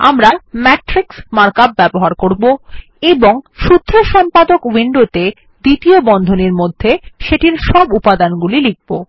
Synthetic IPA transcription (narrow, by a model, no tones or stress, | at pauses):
a̰mɾamɛʈɾiksmaɾkab̚bɛboɦaɾkoɾbo | eboŋʃut̪ʰːɾoʃɔmpad̪okwiɳɖot̪e | d̪it̪iobɔnd̪ʱoniɾmod̪ʱːeʃeʈiɾʃɔbupad̪anɡulilik̚bo